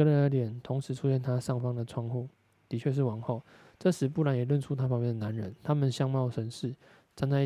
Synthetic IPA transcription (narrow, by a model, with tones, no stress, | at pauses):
ə˥˦nə˧nə˥˩t̪jɛ˨˩nt̪ʰʊ˧˦˥ŋʂɻ̩˨˧˥ʈ͡ʂʰu˥ɕjɛ˥˩nt̪ʰa˥ʂɑ˥˩ŋfɑ˥ŋd̪ə˨ʈ͡ʂʰwɑ˥˧ŋxu˥˩ | t̪i˨˧˥t͡ɕʰɥɛ˥˧ʂ̬ɻ̩˥˩wɑ˧˥˦ŋxo˥˩ʊ | ʈ͡ʂɤ˥˧ʂɻ̩˧˦pu˥˩la˧˦njɛ˨˩lwə˥˧˨nʈ͡ʂʰu˥t̪ʰa˥fɑ˥ŋmjɛ˥˩nd̪ə˨˩na˧˦nɻə˧˦nt̪ʰa˥mə˨nɕjɑ˥˧ŋmɑ˥˩ʊʂə˧˦nʂɻ̩˥˩ | t͡sa˥nt͡sa˥˧˥